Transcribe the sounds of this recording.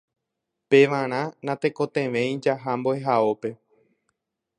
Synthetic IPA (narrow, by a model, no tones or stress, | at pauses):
pe̞ʋãɾ̃ãnãt̪e̞kõ̞t̪ẽ̞ʋẽ̞jĩd͡ʒaɦamboeɦaope̞